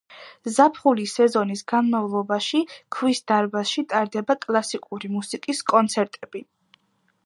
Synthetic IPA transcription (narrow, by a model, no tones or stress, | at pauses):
zapʰχulisɛzɔnisɡanmavlˠɔbaʃikʰwisd̪̥aɾbasʃit̪ʼaɾd̪ɛbakʼlˠasikʼuɾimusikʼiskʼɔnt̪sʰɛɾt̪ʼɛb̥i